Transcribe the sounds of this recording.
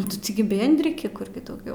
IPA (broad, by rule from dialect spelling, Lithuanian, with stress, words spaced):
ˈnʊ tʲɪ tʲɪˈɡʲɪ ˈbʲeːnʲdʲrʲɪkʲɪ ˈkʊr ɡʲɪ dɐʊˈɡʲɛʊ